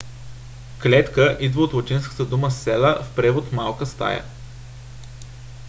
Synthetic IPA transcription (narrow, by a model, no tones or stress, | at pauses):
klɛt̪kəʔid̪vəot̪vot͡ʃ̪inskə̥t̪əd̪uməsːɛlˠəfpɾɛvot̪malˠkəst̪a̰jə̰